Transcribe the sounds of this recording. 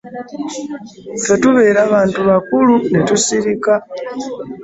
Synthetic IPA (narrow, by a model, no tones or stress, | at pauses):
fetuβeɾaβaːntʰuβakulunetusiɾika